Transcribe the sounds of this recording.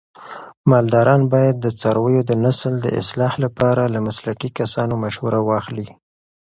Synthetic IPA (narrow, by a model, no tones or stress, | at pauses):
mɑld̪ɑɾɑnbɑjad̪̚ːət͡sɑɾwəjod̪ənasld̪ə̰ɪ̰slɑhlapɑɾalamaslakikasɑnomaʃhuɾawɑxli